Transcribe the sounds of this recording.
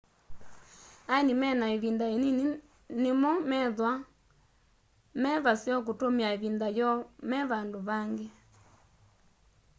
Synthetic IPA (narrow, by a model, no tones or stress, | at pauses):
ainimɛnaeβindaeni | nemɔmɛðwa | mɛβasiɔk̬utomiaiβindajɔmɛβandoβaŋɡe